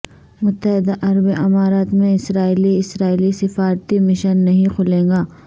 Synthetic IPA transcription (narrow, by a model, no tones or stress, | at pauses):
mʊt̪ːəɦɪd̪aʔɐɾəbiʔɐmaːɾaːt̪mẽɪsɾaːiːliɪsɾaːiːlisɪfaːɾt̪imɪʃənːɐɦĩkʰʊlẽːŋɡaː